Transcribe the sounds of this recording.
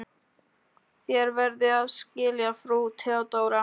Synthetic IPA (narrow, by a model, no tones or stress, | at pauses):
θjɛɾvɛɾðɪaðscɪːljafɾut̪ʰawt̪aːwɾa